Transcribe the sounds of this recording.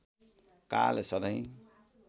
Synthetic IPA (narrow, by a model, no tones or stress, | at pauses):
ka̰lesʌd̪ʌj̃